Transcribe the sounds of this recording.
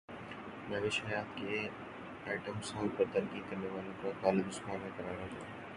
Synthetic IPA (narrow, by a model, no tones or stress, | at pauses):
mɐːʋɪʃaːjaːt̪kʰeː | aːɪʈəmsãːpɐɾt̪ɐɾkiːd̪̚kɐɾneʋaːlõkãkaːlɪd̪ʊsmãːnẽkɐɾaːɽõd͡ʑaː